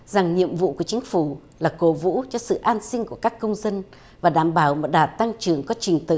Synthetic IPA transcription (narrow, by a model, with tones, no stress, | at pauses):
za˨˩ŋɲḭ˧˨əmvṵ˧˨ku˧˩ət͡ɕï˨˦ŋ̟fu˧˩ | laː˨˩ko˨˦vṵ˧˥t͡ɕɔ˧sɨ̰˧˨ʔaː˧nsï˧ŋ̟ku˧˩əkaː˦˥kːə˧wŋ͡mzə˧n | vaː˨˩ɗaː˧˩mɓaː˨˩wmo˨˩t̚ɗaː˨˩p̚t̪a˧ŋt͡ɕɨ˨˩əŋkɔ˨˦t͡ɕï˨˩ŋ̟t̪ɨ̰˧˨